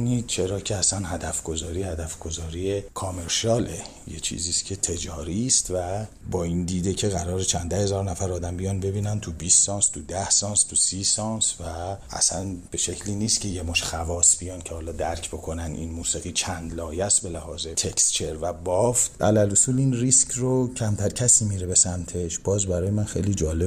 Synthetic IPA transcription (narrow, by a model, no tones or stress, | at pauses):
nit͡ʃʰe̞ɾɒːcʲʰeæsænɦæd̪æfɡo̞zɒːɾiːhæd̪æfɡo̞zɒːɾijekʰɒme̞ɾʃɒːle | jḛt͡ʃʰḭːziːscʲʰe̞t̪ʰe̞d͡ʒɒːɾist̪væ | bɒːiːnd̪iːd̪ecʰe̞ɣæɾɒːɾet͡ʃʰænd̪æhe̞zɒːɾnæfæɾɒːd̪æmbijɒnbe̞biːnænt̪ʰubisːɒːnst̪ʰud̪æhsɒːnst̪ʰusiːsɒnsvææ̰sænb̥e̞ʃe̞cʰliːniːst̪cʰe̞jemoʃxævɒːsb̥ijɒncʰehɒːlɒːd̪æɾcʰbo̞kʰo̞nænd̪ḭnmuːsiɣiːt͡ʃʰænd̪lɒːjæst̪be̞læhɒːzet̪ʰe̞kst͡ʃʰe̞ɾvæbɒft̪ʰʔæ̰lælosulinriscʰrocʰæmt̪ʰæɾcʰæsiːmiːɾe̞be̞sæmt̪ʰe̞ʃb̥ɒːzbæɾɒːjemænxe̞̰jliːd͡ʒɒːle